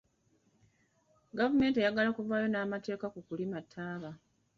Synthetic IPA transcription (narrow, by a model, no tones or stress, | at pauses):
ɡavume̞ːnte̞jaɡalakuvaːjo̞naːmate̞ːkakukulimatʰːaːβa